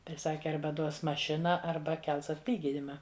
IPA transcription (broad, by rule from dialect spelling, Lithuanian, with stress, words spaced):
tɐɪ ˈsɑːkʲɪ ˈɐrbɐ ˈduɔs mɐˈʃʲɪnɐ ˈɐrbɐ ˈkʲɛlˠs ɐtʲˈlʲiːɡʲɪnʲɪmɐ